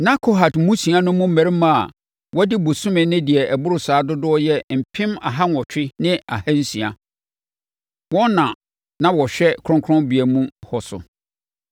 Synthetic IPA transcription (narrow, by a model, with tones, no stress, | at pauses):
na˦kʰo˨ɦa˨dmũ˦sĩ˨a˦nʊ̃˦mʊ̃˦m̩˦mæ̃˨ɾi˦mã˦˨a˨ | wɔ˦dɪ˦bʊ˨sʊ̃˦mɪ̃˨nɪ̃˦dɪ˨ɛ˨ɛ˨bʊ˦ɾʊ˨saː˨˦dʊ˦dʊ˦ɔ˦jɛ˦m̩˨pʰɪ̃˦ma̰˨ɦa˦nɔ˨t͡ɕᶣɪ˦nɪ̃˦a̰˨hæ˦n̩˦sĩ˨a̰˨ | wɔ̃˦nã˨ | nã˦wɔ˨ɕᶣɛ˦kʰɾʊ̃˦ŋkʰʊ˦ɔ̃˦nbi˨æ˨mũ˦hɔ˨sʊ̰˨